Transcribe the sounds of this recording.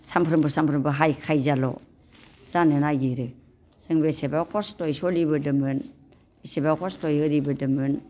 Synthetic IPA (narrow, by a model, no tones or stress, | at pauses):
sampʰɾɯmbɯsampʰɾɯmbɯɦajkʰajzalɔ̰ | z̥anɯnajɡiɾɯ | sɯŋbesebakʰɔstojsɔlibɯdɯmɯn | isebakʰɔstojhɯɾibɯdɯmɯn